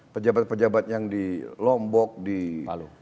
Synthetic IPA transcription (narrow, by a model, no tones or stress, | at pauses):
pəd͡ʒabat̪̚pəd͡ʒabat̪̚jaŋdilɔmbɔk̚dialu